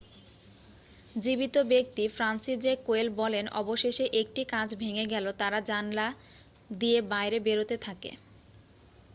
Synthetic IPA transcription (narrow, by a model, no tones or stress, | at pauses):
d͡ʑibit̪obek̚t̪ifɾansid͡ʑekoelbɔlenɔ̰boʃeʃeʔek̚ʈikãd͡ʑʰbʱeŋeɡɛlot̪aɾad͡ʑanla | d̪iebajɾebeɾot̪et̪ʰakḛ